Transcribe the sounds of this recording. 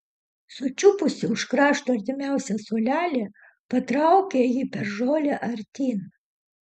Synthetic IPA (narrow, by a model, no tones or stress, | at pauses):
sʊt͡ʃʲʊpʊsʲɪʊʃkɾɑːʃt̪oːɐɾʲt̪ʲɪmʲæˑʊsʲɛsoːlʲæːlʲeː | pɐt̪ɾɐʊkʲejipʲɛɾʒoːlʲeʔɐɾʲt̪ʲiːn